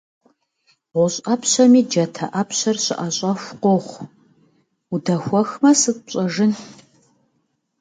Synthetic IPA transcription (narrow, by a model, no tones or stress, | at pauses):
ʁʷʊɕʼɐpɕɐmiːd͡ʒɐtʰɐʔɐpʰɕɐrɕɪʔɐɕʼɐxʷqʷoχʷ | udɐxʷɔxmɐsɨtɕʼɐʒɨn